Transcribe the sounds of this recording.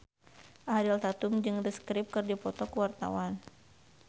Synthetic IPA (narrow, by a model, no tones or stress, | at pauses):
ʔahdilt̪at̪umd͡ʒɨŋdəskɾip̚kɨrdipɔt̪ɔkəwart̪a̰wan